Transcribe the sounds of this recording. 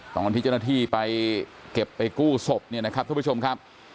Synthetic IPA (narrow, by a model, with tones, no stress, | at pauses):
t̪ɔː˧˩ŋka˧nt̪ʰiː˦˥t͡ɕa˥˧t̪ʰiː˥˩pa˧jke˨˩pːa˧jkuː˥˩so˨˩p̚ni˥˩ɐna˦˥kʰa˦˥p̪̚ʰːt͡ɕo˧mkʰa˦˥p̚